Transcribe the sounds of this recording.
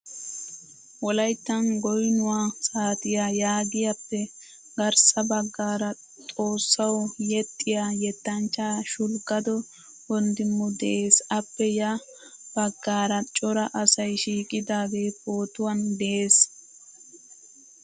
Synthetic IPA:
wɔlɐjt̪ːɐnɡɔjnʊwaːsaːt̪ɪjaːjaːɡɪjɐpːɛ | ɡɐɾsɐbɐɡːaːɾɐ | t̪ʼo̞ːsːɐwjɛt̪ʼːɪjaːjɛt̪ːɐnt͡ʃːaːʃʊlkʼːɐd̪ɔ | ɔnd̪ɪmːʊd̪ɛʔe̞ːsɐpːɛja | b̥ɐɡːaːɾɐt͡ʃʼɔɾɐʔɐsɐjʃiːkʼɪd̪aːɡeːpo̞ːt̪ʊwɐnd̪ɛʔeːs

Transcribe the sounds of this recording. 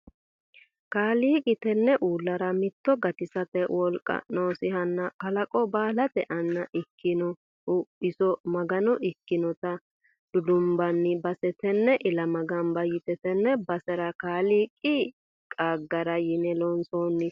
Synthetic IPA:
kaːliːkʼɪt̪ɛnːɛʔuːlːɐɾɐmɪt̪ːɔɡɐt̪ɪsɐt̪ɛwʔɔlkʼɐ̰noːsɪhɐnːɐkɐlɐkʼɔbaːlɐt̪ɛʔɐnːɐʔɪkːɪnɔ | ɪsɔmɐɡɐnɔʔɪkːɪnɔt̪ɐ | d̪̥ʊd̪ʊmbɐnːɪbɐsɛt̪ɛnːɛʔɪlɐmɐɡɐnbɐjɪt̪ɛt̪ɛnːɛbɐsɛɾɐkaːliːkʼɪ | kʼaːɡːɐɾɐjɪnɛlɔnsoːnːɪ

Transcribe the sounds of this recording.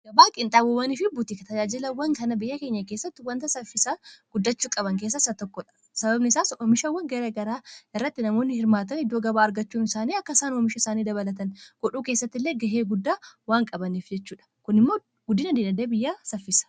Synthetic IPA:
ɡ̥ɐbaːkʼɪnt̪ʼaːbobɐniːfɪbut̪ikɐt̪ɐd͡ʒaːd͡ʒɪlɐwːɐŋkɐnɐbɪjːɐkeːɲːɐke̞ːsːɐt̪ːɪwɐnt̪ɐsɐfːɪsaɡ̥ʊd̪ːɐt͡ʃːuːkʼɐbɐŋke̞ːsːɐsɐt̪ɔkːɔᶑɐ̥ | sɐbɐbnɪɪsaːsomɪʃɐwːɐŋɡɐɾeːɡɐɾaːɪrːɐt̪ːɪnɐmo̞ːnːɪhɪɾmaːt̪ɐnɪd̪ːoːɡɐbaːɐɾɡɐt͡ʃːuːnɪsaːniːɐkːɐsaːnomɪʃɐɪsaːniːd̪ɐβɐlɐt̪ɐnɡ̥ɔᶑuːkeːsːɐt̪ːɪlːeːɡɐɦeːɡʊd̪ːaːwaːŋkʼɐbɐniːfd͡ʒɛt͡ʃːuːᶑɐ̥kʊnɪmːo̞ː | ɡ̥ʊd̪ːɪnɐd̪eːnɐd̪ebɪjːaːsɐfːɪsɐ̥

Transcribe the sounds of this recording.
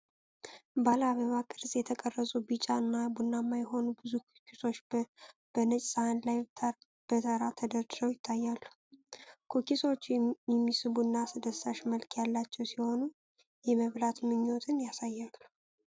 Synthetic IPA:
balaβəβakʼɨɾzʼjɛt̪ʰəkʼərːəsʼubɨt͡ʃʼaɨnːabunːamːajɛɦo̞nubɨzukkʰiso̞t͡ʃːb̥ənət͡ʃʼsʼahanlajtʰ | b̥ət̪ʰəɾat̪ʰəd̪əɾd̪ɾəwjɪt̪ʰːajːalːu | kʰokiso̞t͡ʃːjɛmːisɨβunːasɨd̪əsaʃməlkʰjalːat͡ʃːɛwsiho̞nu | jɛməβlat̪mɨɲːot̪ʰɨnjasajːalːu̥

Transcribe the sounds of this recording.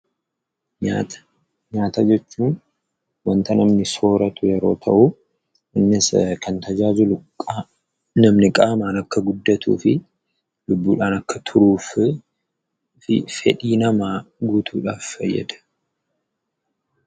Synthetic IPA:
ɲat̪ | ɲaːt̪ɐd͡ʒɛt͡ʃːuːn | wɐnt̪ɐnɐmnɪso̞ːɾɐt̪ʊjɛɾo̞̰ːt̪ʰɐ̰ʔʊ | ɪnːɪskʰɐnt̪ɐd͡ʒaːd͡ʒʊlʊkʼː | nɐmnɪkʼaːmaːnɐkːɐɡʊd̪ːɐt̪ṵːfɪ | lʊbːuːᶑaːnɐkːɐt̪ʰʊɾuːf | ɪ̰fɛᶑiːnɐmaːɡuːt̪ʰuːᶑaːffɐjːɛ̰d̪ɐ̥

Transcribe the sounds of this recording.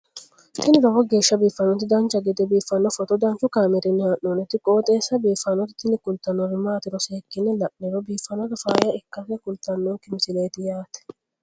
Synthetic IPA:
t̪ɪnɪɾɐwɔɡe̞ːʃːɐbiːfːɐnːɔt̪ɪd̪ɐnt͡ʃːɐɡɪd̪ɛbiːfːɐnːɔfɔt̪ɔd̪ɐnt͡ʃʊkaːmɛɾɪnːɪhaʔonɛt̪ːɪkʼoːt̪ʼeːsːɐbiːfːɐnɔt̪ɪ̥t̪ːɪnɪkʊlt̪ːɐnːɔbɪmaːt̪ɪɾɔseːkːɪnːɛlɐʔɛɾɔbiːfːɐnɔk̪ɐfaːjɐɛkːɐsɛkʊlt̪ːɐnːɔkɪmɪsɪleːt̪ɪjaːt̪ɛ̥

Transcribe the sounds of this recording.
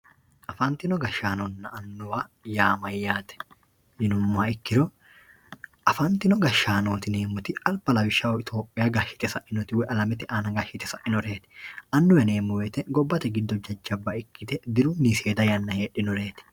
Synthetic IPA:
ʔɐfɐnt̪ɪnɔɡɐʃaːnɔnːɐʔːnːʊwɐjaːmɐjːaːt̪ɛ̥ | jɪnʊmːaːɪkːɪɾɔ | ʔɐfɐnt̪ɪnɔɡɐʃːaːnoːt̪ɪne̞ːmːʊt̪ɪɐlbɐlɐwɪʃːaɔɪt̪ʰo̞ːpʼːɪjaːɡaʃːɪ̥t̪ɛsɐʔɪnɔt̪ɪwɛʔɐlɐmɪt̪ɪʔaːnɐɡaːʃɪt̪ɛsɐʔɪnɔɾeːt̪ɛ̥ʔɐnːʊwɛne̞ːmːʊwɛːt̪ɛɡɔbːɐt̪ɛɡɪd̪ːɔd͡ʒɐd͡ʒːɐbɐɪkːɪt̪ɛd̪ɪɾuːniseːd̪ɐjɐnːɐheːᶑɪnɔɾe̞ːt̪ɛ̥

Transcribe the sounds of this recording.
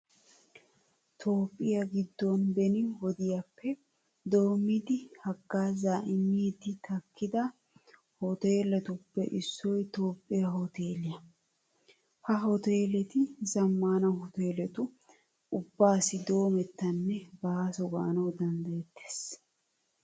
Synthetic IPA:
t̪ʰo̞ːpʼːɪjɐɡɪd̪ːɔnbɛnɪwɔd̪ɪjɐpːɛ | d̪o̞ːmːid̪ɪhɐɡːaːzaːʔɪmːiːd̪ɪt̪ɐkːɪd̪ɐ | hɔt̪eːlɛt̪ʊpːɛ̰ʔɪsːɔjt̪o̞ːpʼːɪjɐɦɔt̪eːlɪjɐ | hɐɦɔt̪eːlɛt̪ɪzɐmːaːnɐhɔt̪eːlɛt̪ʊ | ʊbːaːsɪd̪o̞ːmɛt̪ːɐnːɛbasɔɡa̰ːnɐwd̪ɐnd̪ɐjɛt̪ːe̥ːs

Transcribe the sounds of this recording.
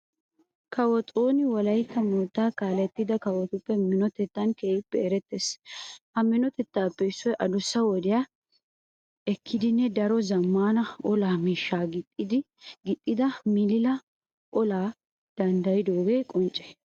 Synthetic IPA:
kʰɐwɔt̪ʼoːnɪwɔlɐjt̪ːɐmoːt̪ːaːkaːlɛt̪ːɪd̪ɐkɐwɔt̪ʊpːɛmɪnɔt̪ɛt̪ːɐnkeːjɪpːɛɛɾɛt̪ːeːshɐmɪnɔt̪ɛt̪ːaːpːɛɪsːɔjʔɐd̪ʊsːɐwɔd̪ɪjaː | ɛkʰːɪd̪ɪnːɛd̪ɐɾɔzɐmːaːnɐɔlaːmiːʃːaːɡɪtʼːɪd̪ɪ | ɡɪt̪ʼːɪd̪ɐmɪlɪlɐ | ʔɔlaː | d̪̥ɐnd̪ɐjɪd̪oːɡe̞ːkʼɔnt͡ʃʼɛ̥

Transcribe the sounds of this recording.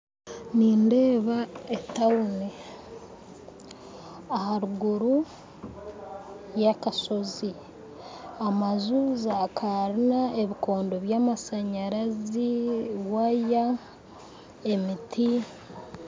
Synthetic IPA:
niːnde̞ːβaetaune | ahaɾuɡuɾu | jakaso̞zi | amazuːzakʰaɾinae̞βikʰo̞ːndo̞βjaːmasaɲaɾaziwaja | e̞mitʰi

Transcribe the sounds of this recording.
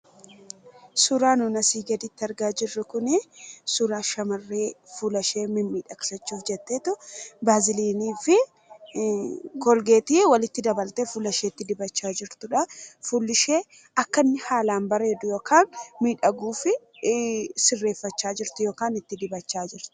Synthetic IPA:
sʊɾaːnʊnɐsiːɡɐd̪ɪt̪ːɪɐɾɡaːd͡ʒɪrːʊkʊnɪsʊɾaːʃɐmɐrːeːfulɐʃe̞ːmɪnmiːᶑɐksɐt͡ʃːuːfd͡ʒɛt̪ːeːt̪ʊbaːzɪliːniːfɪ | kɔlɡe̞ːt̪iːwɐlɪt̪ːɪd̪ɐbɐlt̪eːfuːlɐʃeːt̪ːɪd̪ɪbɐt͡ʃːaːd͡ʒɪɾt̪ʊᶑɐfulːɪʃe̞ː | ɐkːɐnːɪhaːlaːnbɐre̞ːd̪ʊjo̞ːkaːnmiːᶑɐɡuːfɪ | sɪrːeːfːɐt͡ʃːaːd͡ʒɪɾt̪ʊjo̞ːkaːnɪt̪ːɪd̪ɪbɐt͡ʃːaːd͡ʒɪɾt̪ʊ̥

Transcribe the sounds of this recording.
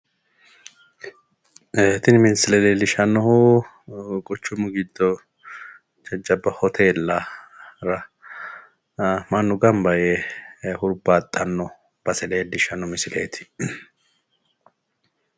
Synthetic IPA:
et̪ɪnɪmɪnsɪlɛleːlːɪʃɐnːɔhu | kʼɔt͡ʃːʊmʊɡɪd̪ːɔ | d͡ʒɐd͡ʒːɐbːɐhɔt̪ʰeːlːɐɾɐ | mɐnːʊɡɐmbɐjehʊɾbaːt̪ʼːɐnːɔ | b̥ɐsɛleːdɪʃɐnːɔmɪsɪlʔeːt̪ʰɪ̥

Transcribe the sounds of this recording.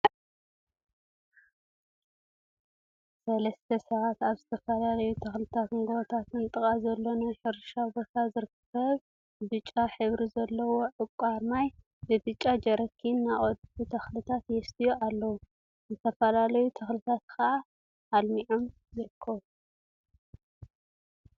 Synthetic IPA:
sɐlɐst̪ʰɐsɐβat̪aβzɨt̪ʰɐfɐlalɐjut̪ʰɐxlɨt̪ʰat̪ŋɡot̪ʰat̪ɨnt̪ʼɨχʼazɐlːo̞najħɨɾʃabo̞t̪ʰazɨɾɨkʰː | ɐβ | bɨt͡ʃʼːaħɨβɾizɐlːɐwo̞ʕɨkʷʼaɾmaj | bɨbɨt͡ʃʼːad͡ʒɐɾɐkʰːinːaʔʼod̪but̪ʰɐxlɨt̪ʰat̪jɛst̪ʰijoʔalːɐwu | zɨt̪ʰɐfɐlalɐjut̪ʰɐxlɨt̪ʰat̪kʰɐʔa | ʔːlmiʕom | jɪɾɨkʰːɐβu

